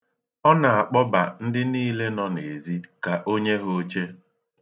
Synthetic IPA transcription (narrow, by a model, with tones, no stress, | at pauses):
ɔ˦na˨a˨k͡pɔ˦ba̰˨n̩˦dɪ˦niː˦le˦nɔ˦ne˨zi˦ka˨ʔo˦ɲe˦ɦo˦t͡ʃe˦